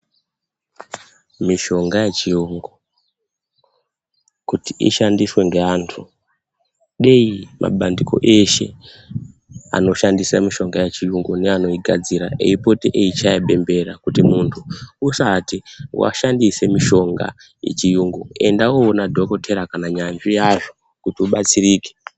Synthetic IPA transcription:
miʃo̞ŋɡajet͡ʃijuŋɡu | kutiʔḭʃandiswe̞ŋɡe̞aːntʰu | ɗeimʔa̰ɓandiko̞̰ʔe̞ʃe̞̰ | a̰no̞ʃandisamiʃo̞ŋɡajet͡ʃijuŋɡune̞ano̞iɡʱad͡ziɾaḛipo̞teʔeit͡ʃajaɓe̞mbe̞ɾakutimuntʰuːsatiwa̰ʃandise̞miʃo̞ŋɡa̰ | je̞̰t͡ʃijuːŋɡue̞̰ndawoːnadʱo̞ko̞tʰe̞ɾakanaɲand͡ʒijaʐo | kutiuɓat͡siriːke̥

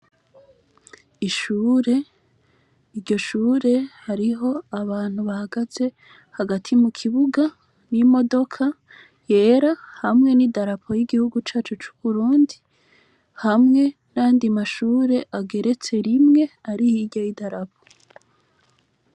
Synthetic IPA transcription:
iʃuːɾe̞ | iɾɟo̞ʃuːɾe̞haɾiɦo̞aβaːn̥huβahaɡaz̥e̞ | haɡatʰimukʰiβuɡa | nimo̞do̞kʰa | je̞ːɾahamŋe̞nidaɾapʰo̞jiɡihuɡut͡ʃaːt͡ʃut͡ʃu̥βuɾuːndi | hamŋe̞naːndimaʃuːɾe̞ʔaɡe̞ɾe̞t͡se̞ɾimŋe̞aɾihiɾɟojidaɾap̚ʰo̥

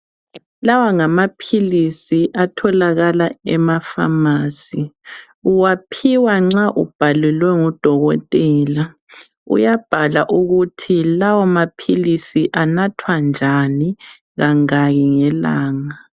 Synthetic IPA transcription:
lawaŋamapʰilisiʔatʰɔlaɣalaɛmafa̰maːsi | uwapʰiwaŋ͡ǁaʔṵb̥ʱalɛlwɛŋud̥ʱɔɣɔtʼɛːla | ṵjab̥ʱalaʔuɣutʰilawamapʰilisiʔanatʰwand͡ʒʱani | ɣaŋaɣiŋɛlaːŋa

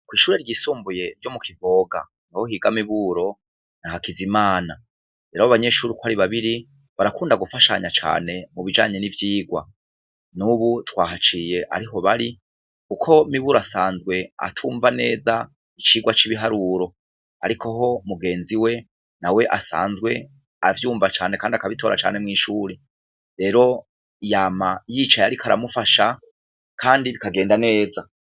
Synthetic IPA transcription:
kwiːʃuːɾe̞ɾɟiːsuːmbuje̞ɾɟo̞mukivo̞ːɡa̰ | nahohiɡamiβuɾo̞ | nahakizimaːna | ɾeɾaβoβaɲeːʃuːɾikwaɾiβaβiɾi | βaɾakuːndaɡufaʃa̰ɲat͡ʃa̰ːne̞muβid͡ʒa̰ːɲe̞nivjiːɡwa̰ | nuβutwaːɦat͡ʃije̞ʔa̰ɾiɦo̞βaɾi | kukʰo̞imiβuɾoasaːnzɡwe̞a̰tʰuːɱvane̞ːza | it͡ʃiːɡwat͡ʃiβiɦaɾuɾo̞ | a̰ɾikʰo̞ɦo̞muɡe̞ːnziwe̞ | nawe̞ʔasa̰ːnzɡwe̞ | avjuːɱvat͡ʃaːnekaːndiakaβitʰo̞ːɾa̰t͡ʃa̰ːne̞mŋiːʃuːɾe | ɾe̞ːɾo̞ | ijamajiːt͡ʃajaɾikʰaɾa̰mufaʃa | kʰaːndiβikaɡeːndane̞ːza

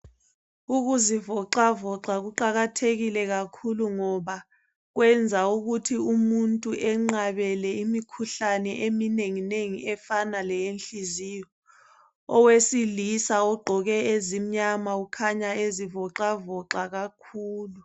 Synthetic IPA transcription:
uk̬uzivɔǃavɔǁak̬uǃak̬atʰek̬ilɛk̬akʰuluŋɔɓa | k̬wɛnd͡zʱauk̬utʰiumuntʼuʔɛŋ͡ǃaɓɛlɛimikʰuɬanɛʔemineŋineŋiɛfanalɛjenɬizijɔ | ɔwesilisaɔɡ͡ǃʱɔk̬ɛezim̩ɲamaukʰaɲaezivɔǁavɔǃak̬akʰuːlu

